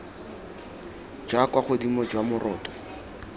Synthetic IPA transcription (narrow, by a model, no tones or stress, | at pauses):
d͡ʒwakwaχʊdimɔd͡ʒwamʊrɔːtʼɔ